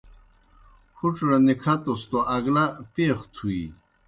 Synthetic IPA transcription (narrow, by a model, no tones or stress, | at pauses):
huʈ͡ʂɾanikʰat̪ost̪oaɡlapeːxt̪ʰui